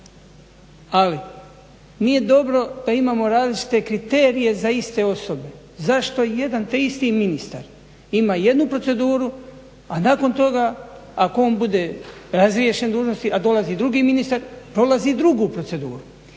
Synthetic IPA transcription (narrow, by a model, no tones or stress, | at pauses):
ali | nije̞d̪o̞bɾo̞d̪̥aimaːmo̞ɾaːzlit͡ʃi̥t̪e̞kɾit̪e̞ːɾije̞zaist̪e̞o̞so̞be̞ | zaʃt̪o̞je̞d̪ant̪eist̪iminist̪a̰ɾ | imaːje̞d̪nupɾo̞t̪se̞d̪uːɾu | anaːko̞nt̪o̞ɡaːkooːnbud̪e̞ːɾazɾje̞ʃe̞nd̪uːʒno̞st̪iʔad̪o̞laziːd̪ɾuɡiːminist̪aɾpɾo̞lazid̪ɾuɡupɾo̞tse̞d̪uːɾu